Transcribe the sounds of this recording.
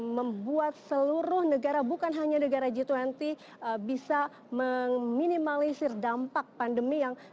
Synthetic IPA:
məmbuat̪̚səluɾʊhnəɡaɾabukanɦaɲanəɡaɾad͡ʒit̪uant̪i | əbisa | məŋminimalisirdampak̚pandəmijaŋ

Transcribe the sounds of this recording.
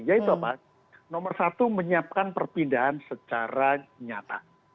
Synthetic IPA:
jait̪uapa | nɔmərsat̪uməɲiap̚kanpərpindaɦansət͡ʃaɾaɲat̪a̰

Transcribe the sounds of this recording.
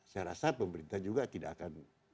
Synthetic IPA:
sajɾasapəməɾint̪ahd͡ʒuɡat̪idaʔːakan

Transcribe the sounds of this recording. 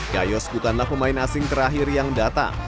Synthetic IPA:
ɡajɔsbukanlahpəmaɪnasɪŋt̪əɾaɦɪrjaŋdat̪a̰

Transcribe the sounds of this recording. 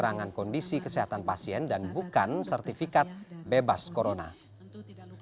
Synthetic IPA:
ɾaŋankɔndisikəseɦat̪anpasiɛndanbukansərt̪ifikat̪̚bebaskoɾona̰

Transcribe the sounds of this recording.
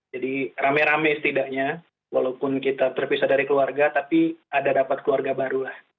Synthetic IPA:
d͡ʒadiramɛɾamɛsə̥t̪idaʔɲa | walawpʊnkit̪at̪ərpisadaɾikəluarɡat̪apiadadapat̪̚kəluarɡabaɾulah

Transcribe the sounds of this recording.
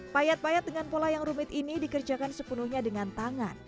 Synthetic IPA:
pajat̪̚pajat̪̚dəŋanpolajaŋrumɪt̪inidikərd͡ʒakansəpunuhɲadəŋant̪aŋan

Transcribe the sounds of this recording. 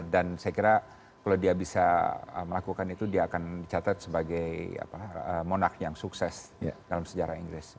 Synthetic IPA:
dansajakiɾa | kalawdiabisaə̰məlakukanit̪udiaːkandit͡ʃat̪at̪̚səbaɡaja̰paəmonak̚jaŋsuksɛsdalamsəd͡ʒaɾaiŋɡɾɪs

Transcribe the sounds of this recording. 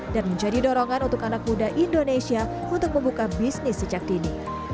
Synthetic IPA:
d̥anməɲd͡ʒadidoɾɔŋanunt̪ʊkanak̚mudaʔindonesia | unt̪ʊk̚məmbukabisnɪsːəd͡ʒak̚dini

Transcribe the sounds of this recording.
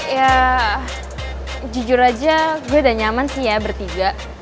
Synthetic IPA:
ja | d͡ʒud͡ʒʊɾad͡ʒaɡuadaɲamansihjabərt̪iɡaʔ

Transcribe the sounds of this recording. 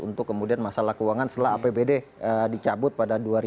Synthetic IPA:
ṵnt̪ʊkːəmudianmasalahkəuwaŋansət̪əlaa̰pebedeədit͡ʃabʊt̪̚padaduaɾi

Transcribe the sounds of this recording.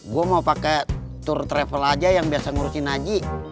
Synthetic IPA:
ɡuamaupakɛ | t̪urt̪ɾɛfɛlad͡ʒajaŋbiasaŋuɾusinad͡ʒi

